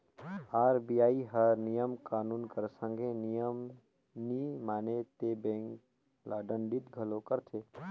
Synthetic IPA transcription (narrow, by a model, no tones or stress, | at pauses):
aːɾbijaːiɦəɾnijəmkaːnuːnkəɾsə̃ŋɡʱenijəm | nimaːnet̪ebẽːŋk | laːɖənɖit̪ɡʱəlokəɾt̪ʰe